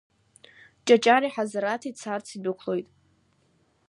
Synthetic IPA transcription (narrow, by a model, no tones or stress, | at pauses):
t͡ʃʼat͡ʃʼaɾiħazaɾatʰit͡sʰart͡sʰidɨkʷʰlo̞jtʼ